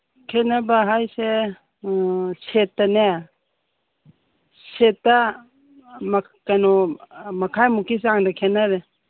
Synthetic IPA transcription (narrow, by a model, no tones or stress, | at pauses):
kʰenabaɦajse | setːane | setːa | m | kanɔmɐkʰajmukis̬aŋdakʰenaɾe